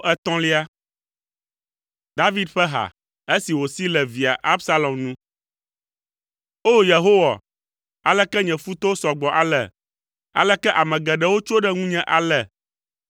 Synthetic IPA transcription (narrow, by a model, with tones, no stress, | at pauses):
ʔɛ˦t̪ɔ̃˦li˦a˦ | d̪a˦vi˦d̪ɸɛ˦ɦa̰˨ | e˦si˨wo˨si˦lɛ˨vi˨a˨ʔa˦bsa˦lɔ˨mnũ˦ | o˦je˨ɦo˦wa˨ | a˨lɛ˦kɛ˦ɲɛ̃˨fu˦t̪o˦sɔ˨ɡ͡bɔ˨ʔa˨lɛ˨ | a̰˨lɛ˦kɛ˦ʔa˨mɛ̃˨ɡɛ˨ɖɛ˦wo˦t͡ʃo˦ɖɛ˦ŋũ˦ɲɛ̃˦ʔa˨lɛ˨